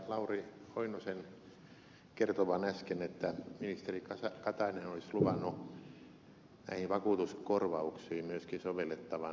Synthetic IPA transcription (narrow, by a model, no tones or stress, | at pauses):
lɑurioinosen | kert̪oʋɑnæskenet̪ːæminist̪erikɑsɑkɑt̪ɑinenolisluʋɑnːˑu | næ̰ihiʋɑkuːt̪uskorʋɑuksiːmmyøskinsoʋelːˑet̪ːɑʋɑ